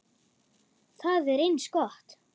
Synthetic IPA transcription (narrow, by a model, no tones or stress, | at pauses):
θaðɛɾejnskɔht̪